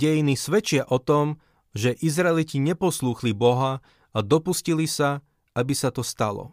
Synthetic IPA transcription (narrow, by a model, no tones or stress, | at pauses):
ɛjinisʋɛt͡ʃɪaʔɔt̪ɔm | ʒɛʔizɾɛliciɲɛpɔsluːxlibɔɦa | ad̪ɔpuscilisa | abisat̪ɔst̪alɔ̰